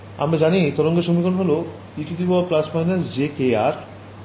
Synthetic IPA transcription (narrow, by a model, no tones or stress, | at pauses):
a̰mɾad͡ʑanit̪ɔɾoŋɡeʃomikonɦolo | iʈid̪iboaplaspaɦinasd͡ʑekeaɾ